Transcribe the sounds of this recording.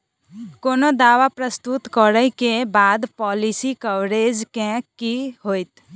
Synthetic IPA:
koːnod̪aːʋapɾəst̪ut̪kɔɾəikebaːd̪pɔːlisikəwɾeːd͡ʒkẽkiɦoːit̪

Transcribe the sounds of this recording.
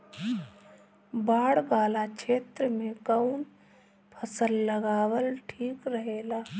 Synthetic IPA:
baːɽbaːlakt͡ʃʰeːt̪ɾəmẽkəwn | pʰəsəlːəɡaːwəlʈʰiːkɾəɦeːlaː

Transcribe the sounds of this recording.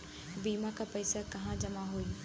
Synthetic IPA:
biːmakʰãpɐɪsakɐɦãd͡ʑɐmaɦui

